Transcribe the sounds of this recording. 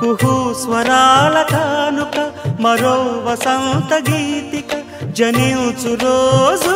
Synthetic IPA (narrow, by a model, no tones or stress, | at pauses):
kuɦusʋɐɾaːlɐt̪ʰaːnukɐmɐɾoʋɐsɐ̃nt̪ɐɡiːt̪ikɐ | d͡ʒɐniwt͡suɾoːz